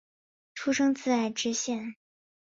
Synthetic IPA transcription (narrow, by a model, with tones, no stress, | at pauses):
ʈ͡ʂʰu˥ʂɤ˥ŋt͡sɹ̩˥˧a˥˩ɪʈ͡ʂɻ̩˥ɕjɛ˥˩n